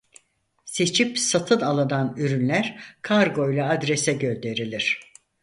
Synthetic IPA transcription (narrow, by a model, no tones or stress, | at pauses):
se̞t͡ʃʰipsat̪ʰɯnalˠananyɾynlʲæɾkʰaɾɡo̞jlʲˠaad̪ɾesɛɟøld̪e̞ɾilʲiɾ̝̥